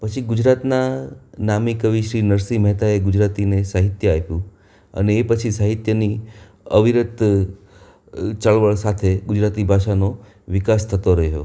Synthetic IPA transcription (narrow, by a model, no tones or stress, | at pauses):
pət͡ʃʰiɡud͡ʒɾat̪nanamikəʋiʃɾinəɾsimɛɦt̪aeɡʊd͡ʒɾat̪inesaɦit̪jəapjũ | ə̰neːpət͡ʃʰisaɦit̪jəni | əʋiɾət̪ | t͡ʃəɭʋəɭsat̪ʰeɡʊd͡ʒɾat̪ibʱaʃano | ʋɪkast̪ʰət̪oɾəɦjo̰